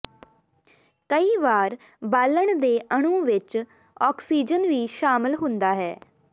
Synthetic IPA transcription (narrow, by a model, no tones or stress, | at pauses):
kəiːʋaːɾ | baːləɳd̪eːʔəɳ̃ũːʋɪt͡ʃ | ɔːksiːd͡ʒənʋiːʃaːmɪlɦʊ̃nd̪aːɦɛː